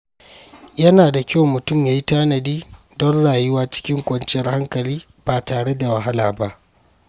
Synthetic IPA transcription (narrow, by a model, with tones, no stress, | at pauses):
jɐ˦naː˨da˨kʲa˦wmʊ˨tʊ˦˨mjaː˨ji˦taː˦nɐ˨diː˦ | dɔ˦nɽaː˨jʊ˦waː˦t͡ʃɪ̥˦kʲɪ˦ŋkʷɐ˨nt͡ʃɪ˦jɐ˦rha˦ŋkɐ˨liː˦ | b̥aː˨taː˨ɽe˦da˨wɐ˨ɦa˦laː˨ba˦ʔ